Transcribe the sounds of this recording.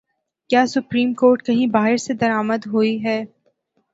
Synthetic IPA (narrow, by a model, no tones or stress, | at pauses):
kjaːsʊpɾiːmkoːɾʈkɐɦĩbaːɦɪɾsed̪ɐɾaːməd̪ɦoiɦɛː